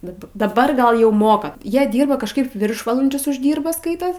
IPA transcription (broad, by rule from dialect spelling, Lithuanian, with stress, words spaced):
bʲɛt dɐˈbɐr ˈɡɐlˠ jɛʊ ˈmoːkɐ ˈjiɛ ˈdʲiːrbɐ kɐʃˈkɐɪp ˈʋʲɪrʃʋɐlˠɐnʲd͡ʒʲʊs ʊʒʲˈdʲiːrbɐ ˈskɐɪtoːs